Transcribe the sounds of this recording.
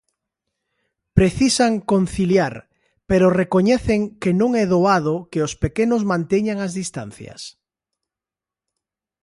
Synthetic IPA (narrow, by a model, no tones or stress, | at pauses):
pɾeθisaŋkon̟θiljaɾ | peɾorekoɲɛθeŋkenõŋɛðoaðokeospekenozmãnt̪eɲaŋazðist̪a̰n̟θja̰s